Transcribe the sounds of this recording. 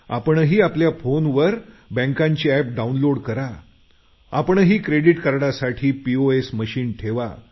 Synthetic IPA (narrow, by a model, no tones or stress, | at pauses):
a̰pəɳɦiːapljafonʋəɾbə̃ŋkãɲt͡ɕiːɛp̚ɖaunloɽkəɾa | a̰pəɳɦiːkɾeɽiʈkaɾɽasaʈʰiːpioesməɕiːnʈʰeʋa